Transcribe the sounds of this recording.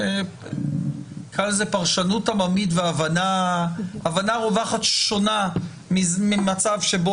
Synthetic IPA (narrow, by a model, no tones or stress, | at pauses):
kʰalzepaʁʃanutamamitveavanaː | vanaʁovaχat̪ʃo̞na | mimimat͡savʃe̞bo